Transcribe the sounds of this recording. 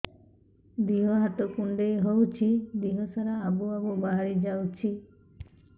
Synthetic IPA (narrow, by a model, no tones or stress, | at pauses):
d̪iɦɔɦat̪ɔkuɳɖeɦowt͡ʃʰid̪iɦɔsaɾaːbuabubaɦaɾid͡ʒawt͡ʃʰi